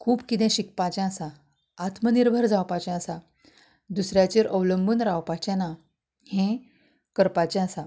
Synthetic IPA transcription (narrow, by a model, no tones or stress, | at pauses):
kʰuːbkit̪ɛ̃ɕikpat͡ɕɛ̃əsã | at̪məniɾbʱəɾd͡zawpat͡ɕɛ̃əsa | d̪usɾjat͡ɕeɾʔəʋləmbʱuːnɾawpat͡ɕɛ̃na | hẽ | kəɾpat͡ɕɛ̃əsã